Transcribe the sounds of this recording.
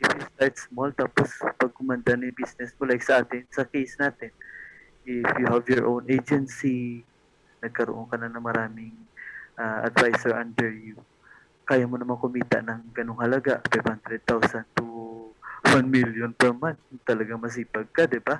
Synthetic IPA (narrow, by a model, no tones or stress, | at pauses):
ʔɪfɪst̪aɹt̪smolt̪aːpospɐɡ̚kʊmand̪anajʊnbisnɛsmolajksɐʔaːt̪ɪnsɐkejsnaːt̪ɪn | ʔɪfjuhavjɔɹʔownʔed͡ʒɛnsi | nɐɡ̚kɐɾoʔoŋkɐnanɐŋmɐɾaːmɪŋʔaʔɐ̰d̪vajsɛɹand̪ɛɹju | kaːjamonɐmakʊmiːt̪a̰ʔnɐŋɡɐnoŋhɐlɐɡaʔfajvhand̪ɾɛd̪̚t̪awsant̪u | wanmiljonpɛɹmant͡ʃt̪ɐlɐɡaŋmɐs̬iːpaɡ̚kad̪ɪba